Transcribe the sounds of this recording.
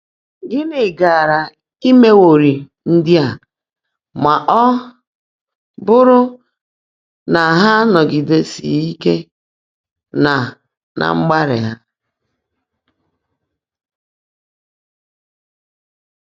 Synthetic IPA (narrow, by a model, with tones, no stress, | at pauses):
ɡɪ˦nɪ˨ɡa˨ɾa˨ | i˦me˦wo˨ɾi˨ | n̩˦dɪ˦a˨ | ma˨ʔɔ˦ | bʊ˦ɾʊ˦ | na˨ɦa˦nɔ˨ɡɪ˨de˨sḭ˨i˦ke˦ | na˨ | nʔa̰˨ŋ͡m̩˦ɡ͡ba˦ɾɪ̰˨ɦa˦